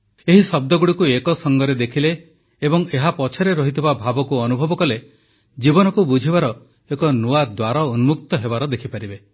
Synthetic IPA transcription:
eɦisɔb̚d̪ɔɡuɽikuekɔsɔŋɡɔɾed̪ekʰileː | bɔŋeɦapɔt͡ʃʰɔɾeɾɔɦit̪ʰibabʱabɔkuɔnubʱɔbɔkɔle | d͡ʒibɔnɔkubud͡ʒʱibaɾɔ | ekɔnuad̪waɾɔunmukt̪ɔɦebaɾɔd̪ekʰipaɾibe

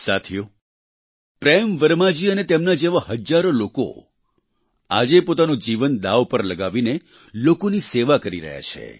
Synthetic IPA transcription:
sat̪ʰijo | pɾemʋəɾmad͡ʒiənet̪emnad͡ʒeʋaɦəd͡ʒaɾoloko̰ | a̰d͡ʒepot̪anod͡ʒiʋənd̪aʋpəɾləɡaʋine | lokoniseʋakəɾḭɾə̰ɦja̰t͡ʃʰḛ

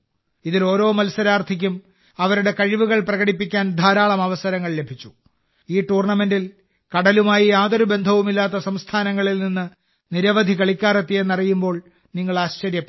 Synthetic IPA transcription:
iðilo̞ːɾo̞ːmɐlsɐɾaːrt̪ʰik̬ʲːum | ɐʋɐɾuɽe̞kɐɻiʋuɣɐɭprɐɣɐɽipːikʲːaːnd̪ʱaːɾaːɭɐmɐʋɐsɐɾɐŋːɐɭle̞bʱit͡ɕːu̥ | iːʈuːrɳɐme̞ndil | kɐɽɐlumaːjiaːðoɾube̞nd̪ʱɐʋumilːaːt̪̬ːɐsɐmst̪ʰaːnɐŋːɐɭilninːɨ | niɾɐʋɐd̪ʱikɐɭikʲːaːre̞t̪ːie̞nːɐrijumbo̞ːɭ | niŋːɐɭaːɕt͡ɕɐɾjɐpː

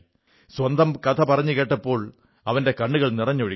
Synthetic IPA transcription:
swɐnd̪ʱɐmkɐt̪ʰɐpɐrɐɲːɨke̞ːʈːɐpːo̞ːɭ | ɐʋɐnde̞kɐɳːuɣɐɭnirɐɲːuɻi

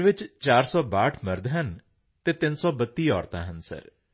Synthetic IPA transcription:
ʋɪt͡ʃt͡ʃaːɾsɔːbaːʈʰməɾd̪ʱɦən | t̪eːt̪ɪnsɔːbət̪ːiːɔːɾt̪ã̰ːɦənsə̰ɾ

